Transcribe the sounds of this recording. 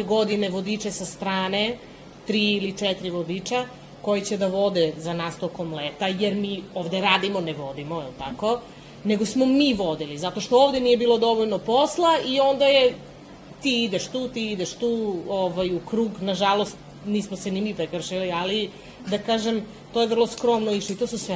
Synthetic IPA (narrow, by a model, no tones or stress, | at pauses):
eɡod̪ineʋod̪it͡ʃesast̪ɾaːne̞ | t̪ɾiːilit͡ʃɛt̪iɾiʋod̪it͡ʃa | ko̞jit͡ɕed̪aʋo̞d̪ezanast̪o̞komleːt̪ajeɾmioːʋd̪e̞ɾaːd̪imo̞neʋo̞d̪imo̞ɛlt̪ako̞ | ne̞ɡo̞smomiʋod̪ilizat̪o̞ʃt̪ooʋd̪enije̞biːlo̞d̪o̞ʋoʎnopo̞slˠaio̞nd̪aje | t̪iːid̪eʃt̪uːt̪iid̪eʃt̪uːoʋajukɾuːɡnaʒalost̪ | niːsmosenimipɾekr̩ʃiliali | d̪akaːʒem | t̪oːjeʋr̩lˠo̞skɾo̞mnoiʃloit̪osusʋe